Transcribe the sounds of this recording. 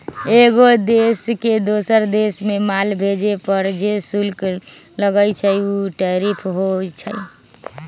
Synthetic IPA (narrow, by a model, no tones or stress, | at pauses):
eɡod̪esked̪osəɾd̪esmemalbʱed͡ʒepəɾd͡ʒesulk | ləɡəjt͡ʃʰəjuʈəɾipʰɦot͡ʃʰəj